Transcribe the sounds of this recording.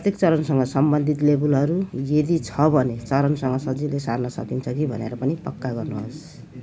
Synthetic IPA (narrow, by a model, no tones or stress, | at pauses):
pt̪ekt͡sʌɾʌnsʌŋɡʌsʌmbʌnd̪ʱit̪lebulʌɾujed̪it͡sʰʌbʱʌnet͡sʌɾʌnsʌŋɡʌsʌd͡zilesarnʌsʌ̰kint͡sʰʌkibʱʌneɾʌpʌnipʌkːaɡʌrnuɦos